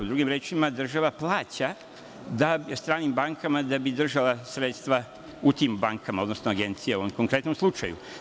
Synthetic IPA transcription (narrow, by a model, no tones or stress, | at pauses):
ud̪ɾuːɡimɾe̞ːt͡ʃimad̪r̩ʒaʋaplˠaːt͡ɕa | d̪aest̪ɾaːnimbaŋkamad̪abid̪r̩ʒalˠasɾeːt̪st̪ʋa | ut̪iːmbaŋkʰamaod̪no̞snoaɡe̞nt̪sijauomko̞ŋkɾe̞t̪nomslˠut͡ʃa̰jṵ